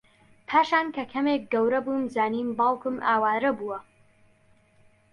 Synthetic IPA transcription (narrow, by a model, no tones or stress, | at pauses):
pʰaːʃaːnkɐkʰɐmeːk̚ɡɐwɾɐbumzaːniːmbɑːlˠkɨmʔaːwaːɾɐbuwɐ